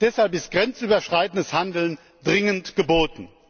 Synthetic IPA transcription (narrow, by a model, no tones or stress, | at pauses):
d̥ɛshalp̬ɪst̚ɡ̥ʁɛnt͡syːbɐʃʁ̥aɪtn̩dəshandl̩n | dʁɪŋəntɡ̥əboːtn̩